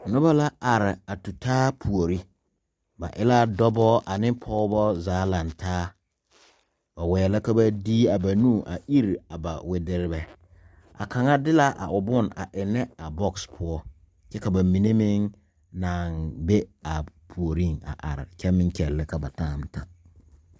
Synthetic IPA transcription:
nʊ˦ba˦la˦a˨ɾɪ˨a˨tu˨taː˦pʰu˨o˨ɾi˦ | ba̰˨ʔɪ˦la˦dɔ˦bɔː˦ʔa˨nɪ˦pʰɔː˦bɔ˦zaː˨˦la˨ntʰaː˦ | ba˨wɛː˨la˦ka˦ba˦diː˦a˨ba˨nũː˦˨ʔa˨ʔi˦ɾi˨a˨ba˨wɪ˦dɪ˦ɾɪ˦bɛ˦ | a̰˨kʰa˨ŋa˦dɪ˦la˦ʔa̰˨ʔʊ˨bʊ˦˨na̰˨ʔɪ˨nːɛ˦a˨bɔ˦kspʰʊ˦ɔ˦ | t͡ʃɛ˦ka˨ba˨mi˨ne˦mɪ˦ŋ | naː˨nbe˦a˨pʰu˨o˨ɾi˦˨ŋa̰˨ʔa̰˨ɾɪ̰˨kɛ˦mɪ˦ŋ˦kɛ˨lːɪ˦ka˨ba˨taː˦m˦ta˦

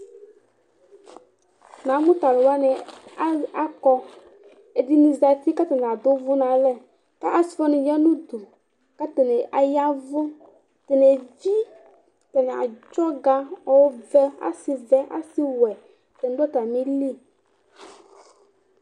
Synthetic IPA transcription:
na˨˦mʊ˦ta˨lʊ˨wa˦nɪ˨˦ | a˦kɔ˦ | e˨di˦ni˨za˨fi˦ka˦tɛ˨n˨a˨dʊ˦vʊ˦na˨lɛ˦ | ka˦ʔa˨sfɔ˦nɪ˨jɛ˦nʊ˦du˨ | ka˦tɛ˨nɪ˨ʔa˨ja˦vʊ˦ | tɛ˨ne˨vi˦ | tɛ˨nɪ˨a̰˨d͡ʒɔ˦ɡa˦ɔ˨wʊ˦vɛ˦a̰˦sɪ˨vɛ˦ʔa̰˦sɪ˦wɛ˨ | tɛ˨n˦dɔ˦ta˨mi˦li˦˨

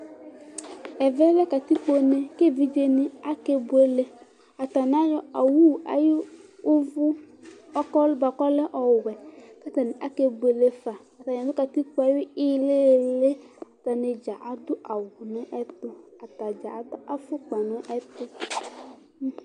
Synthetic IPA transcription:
ɛ˨vɛ˦lɛ˦ka˨t̪i˦k͡po˦nɛ̃˨ke˦˨vi˦d͡ʒe˦nĩ˦a˦ke˦bu˦e˦le˦ | a˨t̪a˨n˨˦a˦jɔ˦a˨wu˦˨a̰˨ji˦o˦vu˦ | kɔ˦ba˨kɔ˦lɛ˦ʔɔ˨wwɛ˨ka˦t̪a˨nĩ˨ʔa˨ke˦bu˨e˨le˨fa˨ | a˨t̪a˨ɲ˨a˨d̪ʊ˦ka˨t̪i˦k͡po˦a˨ji˦i˦le˦˨le˦a˨t̪a˨ne˨d͡ʒa˨ʔa˨d̪ʊ˦a˨wu˨nɛ̃˦ʔɛ˦t̪o˨a˨t̪a˨d͡ʒa̰˨˦a˨fʊ˦k͡pa˨nõ˨˦ʔɛ˦t̪o˦˨

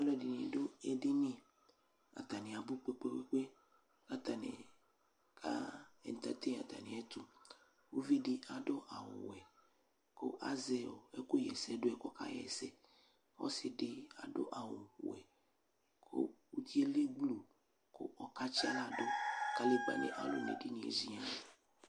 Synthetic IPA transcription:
a˦lɔ˦˨di˨nḭ̃˨do˦e˦ɖe˦nĩ˦ | a̰˨t̪a˨nĩ˨a˨bu˦k͡pe˦k͡pe˦k͡pe˦k͡pe˦ | ka˦t̪a˨nḛ˨ | kʰa̰˦ɛ̰˨n˨t̪a˦t̪ẽ˦˨a̰˨t̪a̰˨nĩ˨ɛ˦t̪u˦ | wo˦vi˦ɖi˦a˨ɖo˦ʔa̰˨wo̰˨ɛ˨ | ko̰˦ʔa̰˦zɛ˦o˨e˦ko˦jɛ˨sɛ˦ɖo˦ɛ˨kɔ˦ka̰˦jɛ̰˨sɛ˦ | wɔ̰˦se˨ɖe˦a˨ɖo̰˦ʔa˨wo˨ɸu˨ɛ˨ | kʰo̰˦wo˦t̪i˦e˦le˦ɡ͡blo˨ | ko̰˦ʔɔ˨ka˦t͡ʃi˦a˦la˦do˦ka˦le˦ɡ͡ba̰˨nḛ̃˨ʔa˨lo̰˨nḛ˨ɖi˦nĩ˨ḛ˨zi˦ɲa˦˨

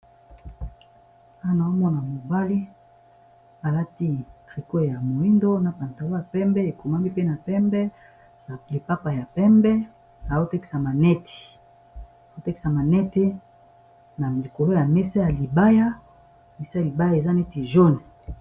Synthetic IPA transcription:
a˦a˦na˨o˦mɔ˦na˨mo˨ba˦li˦ | a˨la˦ti˦tʁi˨ko˦ja˨mo˨i˦ndo˦na˨pa˨nta˨wo˦ja˨pɛ˦mbɛ˦e˨ko˨ma˦mi˦pe˦na˨pɛ˦mbɛ˦˨ | le˨pa˦pa˨ja˨pɛ˦mbɛ˦ | na˨o˦tɛ˦ki˨sa˨ma˨nɛ˦ti̥˨ | a˨o˦tɛ˦ki˨sa˨ma˨nɛ˦te˦ | na˨li˨ko˨lo˦ja˨mɛ˦sa˦ja˨li˨ba˦ja˦˨ | me˨sa˦ja˨li˨ba˦ja˨e˨za˦nɛ˦ti˨ʒo˦ni˨

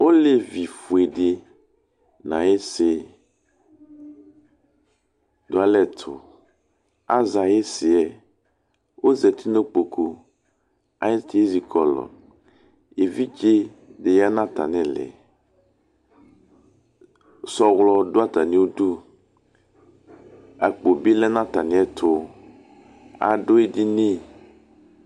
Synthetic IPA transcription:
wo˦le˦vi˨fu˨e˨ɖe˨ | nã˨je˦sɪ˨ | dʊ˨a˦lɛ˦t̪ʰʊ˨ | a˦za˨je˦sɪ˨ɛ˨ | wʔo˦zɛ˨t̪ʰi˦ne˦k͡po˨kʰo˦ | a̰˨je˦t̪e˦e˦zi˨kɔ˨lɔ̰˨ | je˨vi˦d͡ʒe˦ | ɖe˨ja˦nã˦t̪a̰˨nɛ̃˨lɛ̰˨ | sɔ˨ɣlɔ˦do˦a˦t̪a˨nĩ˦wo˦ɖu˦ | a˨k͡po˨bi˦lɛ˦nã˦t̪a˨nĩ˨˦ɛ˦t̪ʰʊ˦ | a̰˨ɖo˦e˦di˦nĩ˦

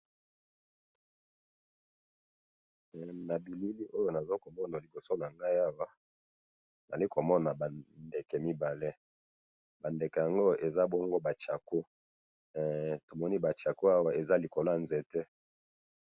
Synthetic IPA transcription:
na˨bi˨li˦li˦ʔo˦jo˦na˨zo˦ko˨mɔ˦na˨li˨bo˨so˦na˨ŋɡa˦i˦a˦wa˦˨ | na̰˨li˦ko˨mɔ˦na˨ba˨nde˨ke˨mi˦ba˨le˦ | ba˨nde˨kɛ˨ja˨ŋɡo˦e˨za˦bɔ˦ŋɡo˦ba˨t͡ʃa˨ko˦˨ | to˨mɔ˦ni˦ba˨t͡ʃa˨ko˦a˦wa˦e˨za˦li˨ko˨la˦˨nzɛ˨tɛ˦

